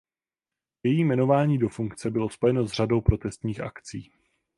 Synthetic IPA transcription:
jɛjiːmɛno̞vaːɲiːdo̞fuŋkt͡sɛbɪlo̞spo̞jɛno̞zr̝ado̞wpɾo̞t̪ɛst̪ɲiːxʔa̰kt͡siː

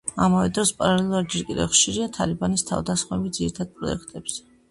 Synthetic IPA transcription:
amavɛd̪ɾɔspʼaɾalɛlˠuɾad̪d͡ʒɛɾkʼid̪ɛ̰vχʃiɾiat̪ʰalibanist̪ʰa̰vd̪asχmɛbid̪ziɾit̪ʰad̪̚pʼɾɔ̰ɛ̰kʰt̪ʼɛbz̥ɛ

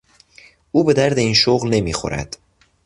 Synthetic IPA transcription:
ʔuːbe̞d̪æɾd̪e̞iːnʃoɣlne̞miːxo̰ɾæ̰d̪̥

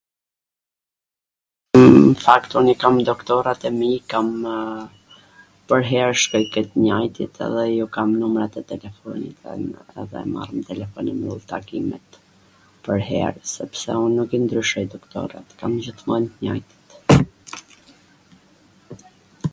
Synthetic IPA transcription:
fakt̪unikamd̪ɔkt̪ɔɾat̪ɛmikam | pəɾɦɛɾʃkɔjkɛjt̪ɲajt̪it̪ʰɛ̰ðɛjukamnumɾat̪ɛt̪ɛlɛfɔnḭt̪ɛ̰nɛ̰ðɛ̰ma̰rmt̪ɛlɛfɔnimulˠt̪akimɛ̰t̪ | pəɾɦɛ̰ɾsɛpsɛunːukind̪ɾyʃɔjd̪ɔkt̪ɔ̰ɾa̰t̪kamd͡ʑəθmɔnt̪ɲa̰jt̪i̥t̪

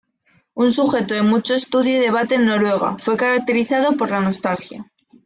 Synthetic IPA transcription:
unsuxe̞t̪oðemut͡ʃo̞est̪uðjuðe̞β̞at̪e̞ːnːo̞ɾwe̞ɣ̞a̰fwe̞kaɾak̚t̪e̞ɾiθaðopo̞ɾlano̞st̪alxja

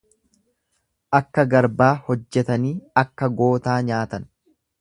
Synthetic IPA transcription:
ʔɐkːɐɡɐɾbaːhɔd͡ʒːɛt̪ɐniːɐkːɐɡo̞ːt̪aːɲaːt̪ɐn

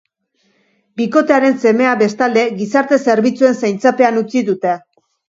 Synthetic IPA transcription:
biko̞t̪e̞aɾe̞nse̞me̞abe̞st̪ald̪e̞ɣisaɾt̪e̞se̞ɾβit͡sue̞nsajnt͡sape̞anut͡siðut̪e̞

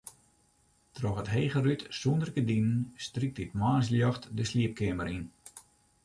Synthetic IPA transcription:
trɔxətɦeːɣərytsundərkədinənstrik̚titmaːs̬ljɑxtdəsliəp̚kɪəməɾin

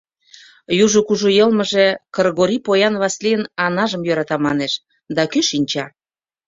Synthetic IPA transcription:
juʒukuʒujɤlməʒekɤrɣoɾipojɑnβɑsliənɑnɑʒəmjøɾɑt̪ɑmɑneʃ | d̪ɑkyʃinʲt͡ɕɑ

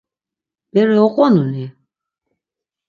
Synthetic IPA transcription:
b̥ɛɾɛɔqʼɔnuni

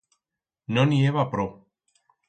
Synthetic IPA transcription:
nonieβapɾo

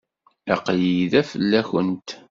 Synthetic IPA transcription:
æqjiðæfəlːæçənt̪

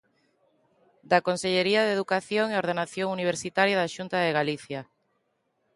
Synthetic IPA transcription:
d̪akonseʎeɾiaðeðukaθjoŋeoɾðenaθjoŋuniβ̞eɾsit̪aɾjaðaʃunt̪aðeɣaliθja

